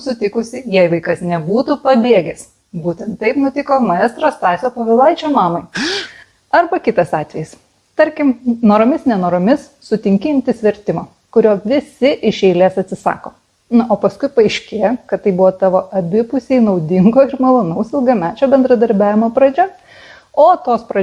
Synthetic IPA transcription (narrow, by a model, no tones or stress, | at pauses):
sʊt̪ʲɪkʊsʲɪjɛɪʋɐɪkɐsnʲɛbuːt̪upɐbʲeːɡʲɛs | buːt̪ʲɛnt̪t̪ːɐɪpnʊt̪ʲɪkoːmɐɛːst̪ɾoːst̪ɑːsʲoːpoːʋʲɪlˠɐɪt͡ʃʲoːmɑːmɐɪ | ɐɾbɐkʲɪt̪ɐsɑːt̪ʲʋʲɛjɪs | t̪ɐɾʲkʲɪmnoːɾomʲɪsnʲɛnoːɾomʲɪs | sʊt̪ʲɪŋʲkʲɪɪmʲt̪ʲɪsʲʋʲɛɾʲt̪ʲɪmoː | kʊɾʲoːʋʲɪsʲɪʔɪʃʲɛɪlʲeːsɐt̪ʲsʲɪsɑ̰ːkoː | noːpɐskʊɪpɐɐɪʃʲkʲeːjokɐt̪t̪ːɐɪbʊʋɔːt̪ɑːʋoːʔɐbʲɪpʊsʲeɪnɐʊd̪ʲɪŋɡoːɪɾmɐlˠonɐʊsɪlˠɡɐmʲæːt͡ʃʲoːbʲɛnd̪ɾɐd̪ɐɾʲbʲæːʋʲɪmoːpɾɐd͡ʒʲɛ | oːt̪oːspɾɐ